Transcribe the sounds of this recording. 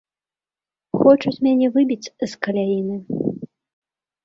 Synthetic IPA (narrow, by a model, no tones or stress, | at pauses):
xɔt͡ʂut͡sʲmʲanʲɛvɨbʲit͡sʲskɐlʲajinɨ